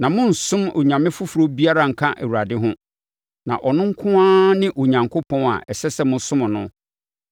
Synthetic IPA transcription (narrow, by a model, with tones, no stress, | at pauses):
nã˨mʊ̃˦n̩˨sʊ̃˦mo̰˨ɲã˨mɪ̃˦fʊ˦fu˨ɾo˦bi˦a˦ɾa˦˨ŋ̩˨kʰã˦ʔe˨wu˨ɾa˨dɪ˦ɦʊ̃˦ | nã̰˨ʔɔ˨nʊ̃˦ŋ̩˦kʰʊ̃˦ãː˦nɪ̃˦ʔo˨ɲã˨ŋkʰʊ˦pʰɔ̃˦a̰˨ʔɛ˨sɛ˦sɛ˦mʊ̃˦sʊ̃˦mʊ̃˨nʊ̃˦